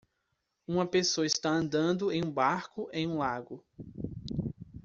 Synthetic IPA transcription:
ũmɐpesoɐist̪aɐ̃nd̪ɐ̃nd̪ʊẽj̃ũbaɾkʊʔẽj̃ũlaɡʊ

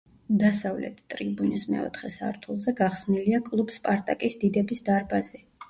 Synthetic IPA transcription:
d̪asavlɛ̰t̪ʰt̪ʼɾibunismɛ̰ɔ̰t̪ʰχɛsa̰ɾt̪ʰulˠzɛɡaχsniliakʼlˠub̥spʼaɾt̪ʼakʼisd̪id̪ɛbisd̪aɾbaz̥ɛ

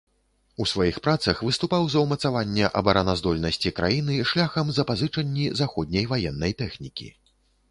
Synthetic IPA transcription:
usvajixpɾat̪sɐxvɨst̪upawzɐwmɐt̪savanʲːɛʔɐbɐɾanazd̪ɔlʲnɐsʲt͡sʲikɾa̰jinɨʂlʲaxɐmzɐpazɨt͡ʂɐnʲːizaxɔd̪̚ʲnʲɐjvajɛnːɐjt̪ɛxnʲikʲḭ

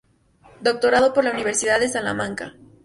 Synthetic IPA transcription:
d̪o̞k̚t̪o̞ɾaðo̞po̞ɾlauniβe̞ɾsiðaððesala̰mãŋka̰

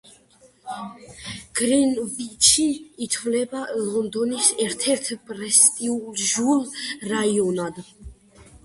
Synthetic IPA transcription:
ɡ̥ɾɛnbit͡ʃʰiːt̪ʰvlɛbalɔnd̪ɔnisɛɾt̪ʰɛɾt̪ʰpʼɾɛst̪ʼiulʒulɾaiɔnad̪

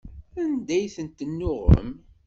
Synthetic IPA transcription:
ænd̪æjθənt̪ːənːʊʁə̰m

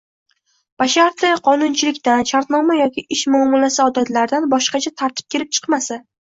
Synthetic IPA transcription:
b̥aʃaɾt̪ʰɪqʰɒnʊnt͡ʃʰɪlɪkʲt̪anʃaɾt̪nɒmajɒkʲʰɪʔɪʃmʊɒmːɒlasɪɒd̪at̪laɾd̪anbɒʃqɑt͡ʃʰat̪ʰaɾt̪ʰɪ̥p̚kʲʰe̞ɾɪp̚t͡ʃʰɨ̥qmasa

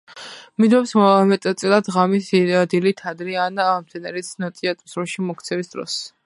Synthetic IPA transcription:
mid̪wɛpsmɛt̪ʼt̪sʼɛlˠad̪ʁamisd̪ilit̪ʰad̪ɾianmt̪ʰɛnɛɾisnɔt̪ʼiat̪ʼsɾɔʃimɔkʰt̪sʰɛvisd̪̥ɾɔ̰s

